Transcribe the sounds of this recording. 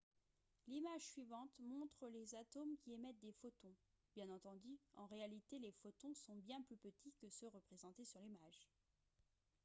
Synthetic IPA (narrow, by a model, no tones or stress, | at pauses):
limaʒsɥivɑ̃t̪mɔ̃t̪χəlezat̪omkʲiemɛt̪̚d̪efot̪ɔ̃ | b̥jɛ̃nɑ̃t̪ɑ̃d̪yɑ̃ʁealit̪elefot̪ɔ̃sɔ̃bjɛ̃plypət̪ʰikəsəʁəpχezɑ̃t̪esyʁlimaʒ